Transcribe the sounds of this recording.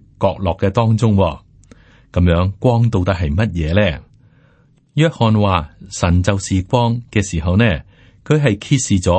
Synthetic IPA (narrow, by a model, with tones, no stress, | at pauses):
kɔː˧k̚lɔː˨kːɛː˧t̪ɔː˥ŋt͡sʊ˥ŋwɔː˧ | kɐ˨˧˥mjœː˨˧˥ŋkʷɔː˥ŋt̪o˨˧wt̪ɐ˥k̚ɦɐ˨jmɐ˥t̚jɛː˨˧lɛː˥˩ | jœː˥k̚hɔː˧nwaː˨sɐ˨˩nt͡sɐ˨wsiː˨kʷɔː˥ŋkɛː˧siː˨˩ɦɐ˨wnɛː˥ | kʰɵ˨˧ɥɦɐ˨jkʰiː˧t̚siː˨t͡sɔː˨˥